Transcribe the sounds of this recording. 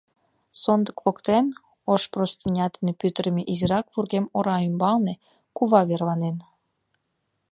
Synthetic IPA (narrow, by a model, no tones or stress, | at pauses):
sond̪əkpokt̪en | oʃprost̪inʲɑt̪inepyt̪əɾəmeʔiziɾɑkpurɣemoɾɑymbɑlne | kuβɑβerβɑnen